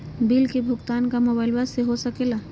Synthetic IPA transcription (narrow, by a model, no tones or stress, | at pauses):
bilkebʱʊɡt̪aːnkamoːbaːɪlbaseɦosɐkeːla